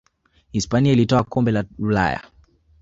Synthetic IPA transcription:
hispaniailitɔakɔmbɛlaula̰ja̰

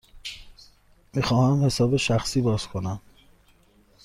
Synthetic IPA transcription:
miːxɒːhæmhe̞sɒːbeʃæxsiːbɒːz̥kʰo̞næm

